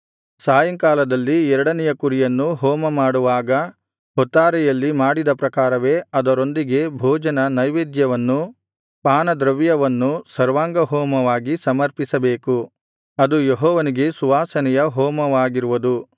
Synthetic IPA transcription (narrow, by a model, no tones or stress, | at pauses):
saːjɐŋkaːlɐd̪ɐlːiɛɾɐɽɐnɛjɐkuɾijɐnːuɦɔːmɐmaːɽuʋaːɡɐ | ɦɔt̪ːaːɾɛjɐlːimaːɽid̪ɐpɾɐkaːɾɐʋe̞ːɐd̪ɐɾo̞nd̪iɡe̞bʱɔːd͡ʒɐnɐnɐjʋeːd̪jɐʋɐnːu | paːnɐd̪ɾɐʋjɐʋɐnːusɐɾʋaːŋɡɐɦɔːmɐʋaːɡisɐmɐɾpisɐbeːku | ɐd̪ujeɦɔːʋɐniɡe̞suʋaːsɐnɛjɐɦɔːmɐʋaːɡiɾuʋud̪u